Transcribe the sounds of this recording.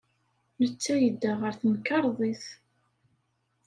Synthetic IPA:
nət͡sːæjəd̪ːaʁəɾθənkːɑɾˤðˤiθ

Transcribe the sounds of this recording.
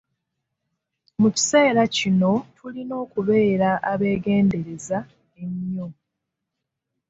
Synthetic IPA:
muci̥se̞ːɾacino̞tʰulino̞ːkuβe̞ːɾaʔaβe̞ːɡe̞ːnde̞ɾe̞za | e̞ɲːo

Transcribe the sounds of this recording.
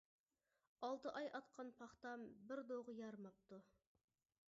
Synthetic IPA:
ɑlˠt̪əʔɑjʔɑt̪̚qʰɑnpʰɑχt̪ɑmbɪɾd̪oʁəjɑɾmɑp̚t̪u

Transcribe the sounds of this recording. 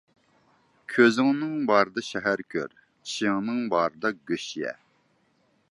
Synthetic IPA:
kʲʰøzɪŋnɨŋbɑːɾɨd̪ɑʃɛɦæɾkʲʰø̰ɾ | t͡ʃʰi̥ʃɪŋnɨŋbɑːɾɨd̪ɑɡʲøʃjɛ̰

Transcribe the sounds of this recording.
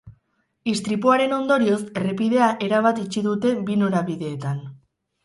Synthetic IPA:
ist̪ɾipuaɾe̞no̞nd̪o̞ɾio̞se̞repiðe̞aʔe̞ɾaβat̪it͡ʃiðut̪e̞bino̞ɾaβiðe̞ːt̪an

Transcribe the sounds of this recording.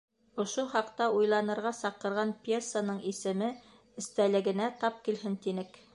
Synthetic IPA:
ŏʃoχɑqt̪ɑujlˠɑnɤ̆ɾʁɑsɑqɤ̆ɾʁɑnpʲersanɤɴisɘ̆mɘ | ɘ̆st̪ælɘ̆ɡɘ̆næt̪ɑp̚kilɦɘnt̪inɘk

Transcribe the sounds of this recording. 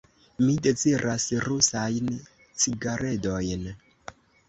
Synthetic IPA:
mide̞t͡siɾʔasɾusajn | t͡siɡaɾʔedo̞jn

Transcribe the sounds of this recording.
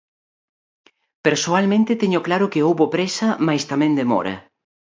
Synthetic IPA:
peɾsoalmẽnt̪ɪt̪eɲʊklaɾʊkeowβopɾesɐmajst̪amẽnd̪emɔ̰ɾɐ̰

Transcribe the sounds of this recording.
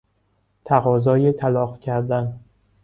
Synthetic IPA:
t̪ʰæɣɒːzɒːjet̪ʰælɒːχcʰæɾd̪æn

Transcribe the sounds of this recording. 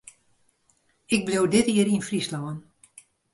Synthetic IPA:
ɪk̚blowdɪtiəɾinfrislɔwən

